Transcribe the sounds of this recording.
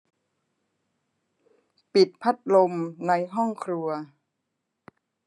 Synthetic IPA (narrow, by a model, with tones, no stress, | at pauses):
pi˨˩t̪̚pʰa˦˥t̪̚lo˧mna˧jɦɔ˥˩ŋkʰɾu˧ɐ